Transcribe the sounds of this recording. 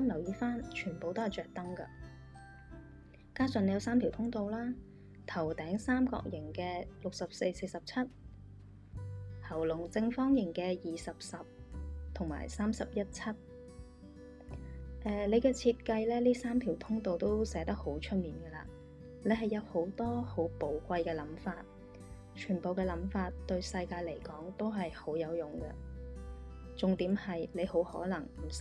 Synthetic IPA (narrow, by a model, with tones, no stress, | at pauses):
sɐ˥mlɐ˨˩wjiː˧faː˥nt͡ʃʰyː˨˩npo˨˧wt̪o˥hɐ˨jt͡ʃœː˨k̚t̪ɐ˥ŋkɐ̰˧ | kaː˥sœ˨ne˧jɐ˨˧ws̬aː˥mt̪ʰi˨˩wt̪ʰʊ˥ŋt̪o˨wlaː˥ | t̪ʰɐ˨˩wt̪ɛː˨˥ŋsaː˥mkɔ̰ː˧k̚jɪ˨˩ŋkɛː˧lʊ˨k̚sɐ˨p̚se˧jse˧jsɐ˨p̚t͡sʰɐ˥t̚ | hɐ˨˩wlʊ˨˩ŋt͡sɪ˧ŋfɔː˥ŋjɪ˨˩ŋkɛː˧jiː˨sɐ˨p̚sɐ˨p̚t̪ʰʊ˨˩ŋma̰ː˨˩jsaː˥msɐ˨p̚jɐ˥t̚t͡sʰɐ˥t̚ | ʔɛː˨˧le˨˧jkɛː˧t͡sʰiː˧t̚kɐ˧jlɛː˥liː˥saː˥mt̪ʰiː˨˩wt̪ʰʊ˥ŋt̪o˨wt̪o˥wsɛː˨˥t̪ɐ˥k̚ho˨˥wt͡ʃʰɵ˥t̚miː˨˩nɡɛ˧la̰ː˧ | le˨˧jɦɐ˨jɐ˨˧who˨˥wt̪ɔː˥ho˨˥wpo˨˧wkʷɐ˧jkɛː˧lɐ˨˥mfaː˧t̚ | t͡ʃʰyː˨˩npo˨wkɛː˧lɐ˨˥mfaː˧t̚t̪ɵ˧ɥsɐ˧jkaː˧jle˨˩jkɔː˨˥ŋt̪o˥wɦɐ˨jho˨˥wjɐ˨˧wjʊ˨˩ŋkɐ̰˧ | t͡sʊ˨ŋt̪iː˨˥mhɐ˨jle˨˧jho˨˥whɔ̰ː˨˥lɐ˨˩ŋm̩˨˩